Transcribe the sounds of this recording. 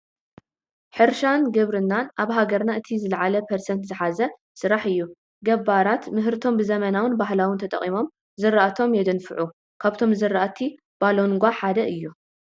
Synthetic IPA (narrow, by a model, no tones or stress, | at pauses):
ħɨɾʃanɡɨβɾɨnːanʔaβɦaɡɐɾnaɨt̪ʰizɨlʕalɐpʰɐɾsɐnt̪zɨħazɐ | sɨɾaħɨjːu | ɡɐβaɾat̪mɨɦɾɨt̪ʰo̞mbɨzɐmɐnawɨnbaɦlawɨnt̪ʰɐt̪ʼɐ̰χʼimo̞m | zɨɾaʔat̪ʰo̞mjɛd̪ɨnfɨʕu | kʰaβt̪ʰo̞mzɨɾaʔat̪ʰi | b̥alo̞ŋɡʷaħad̪ɐʔɨjːu